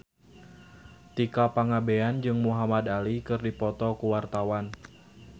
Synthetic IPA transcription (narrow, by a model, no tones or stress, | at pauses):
t̪ikapaŋabeand͡ʒɨŋmuɦamad̪alikɨrdipɔt̪ɔkuwart̪awan